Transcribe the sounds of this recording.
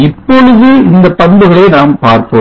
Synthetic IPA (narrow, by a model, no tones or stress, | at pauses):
ɪpːɔɻɯðɯɪnd̪ɐpɐnbɯɣɐɭɐɪnaːmpaːɾkoː